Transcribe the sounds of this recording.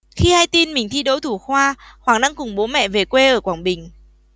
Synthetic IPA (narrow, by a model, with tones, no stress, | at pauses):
xi˧haː˧jt̪i˧nmï˨˩ŋ̟t̪ʰi˧ɗo˨˦t̪ʰu˧˩xwaː˧hwaː˧˩ŋna˧ŋkʊ˨˩ŋ͡mɓo˨˦mɛ̰˧˨ve˨˩kwe˧ʔəː˧˩kwaː˧˩ŋɓï˨˩ŋ̟